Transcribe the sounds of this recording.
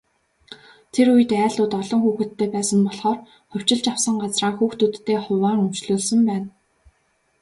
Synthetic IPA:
t̪ʰeɾujɘ̆t̪æːɮʊːt̪ɔɮɞ̆ŋxuːxɘ̆t̪ʰːeːpæːsə̆mpɔɮχɔːr | χʊw̥ʲt͡ɕɪ̆ɮt͡ɕawsə̆ŋɢat͡sraːŋxuːxt̪ut̪ːeːχʊwaːŋɵm̥t͡ɕɮoːɮsə̆mpæːn

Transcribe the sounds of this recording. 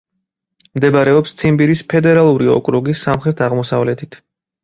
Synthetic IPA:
md̪ɛbaɾɛɔpst̪sʰimbiɾispʰɛd̪ɛɾalˠuɾiɔ̰kʼɾɔɡisːamχɾɛt̪ʰaʁmɔsavlɛt̪ʰit̪ʰ

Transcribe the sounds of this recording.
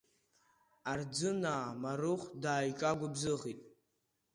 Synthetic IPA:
ard͡zɨnaːmaɾɨχʷdaːjt͡ʃʼaɡʷʊbzɨʁitʼ

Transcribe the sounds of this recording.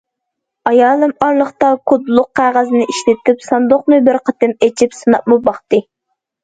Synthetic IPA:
ɑjɑːlˠɨmɑɾlˠəχt̪ɑkʰʊd̪lˠʊq̚ʰːæːʁæzɨnɪʔiʃlɪt̪ɪpsɑnd̪oχnɨbɪɾqʰət̪ɪmet͡ʃʰipsɨnɑp̚mɨbɑχt̪ɨ

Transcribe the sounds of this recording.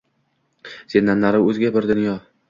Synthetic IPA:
senːanːaɾɪɵzɡʲabɪɾd̪ɪnjɒ

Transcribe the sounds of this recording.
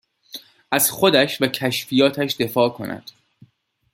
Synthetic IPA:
ʔæz̥xo̞d̪æʃvæcʰæʃfijɒːt̪ʰæʃd̪e̞fɒːkʰo̞̰næ̰d̪̥

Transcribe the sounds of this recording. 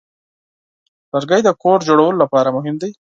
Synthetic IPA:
laɾɡajd̪əkoɾd͡ʒoɽawəlolapɑɾamʊɦɪmd̪aj

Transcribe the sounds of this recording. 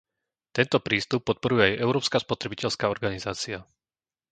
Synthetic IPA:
t̪ɛnt̪ɔpɾiːst̪upːɔt̪̚pɔɾujɛajɛʊɾɔːpskaːspɔt̪ɾɛbicɛʎskaːɔɾɡanizaːt͡sia

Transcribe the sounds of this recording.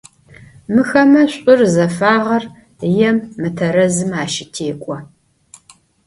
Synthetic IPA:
mɨxɐmɐɕʷʼʊrzɐfaːʁɐr | jɛmːɨtʰɐɾɐzɨmaːʃɪtʰeːkʷʼɔ

